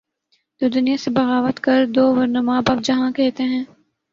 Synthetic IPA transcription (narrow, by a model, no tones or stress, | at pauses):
t̪oːd̪ʊnijasebɐɣaːʋət̪kɐɾd̪oːʋɐɾnɐmaːbaːp̚d͡ʒɐɦãkɛɦt̪eɦɛ̃ː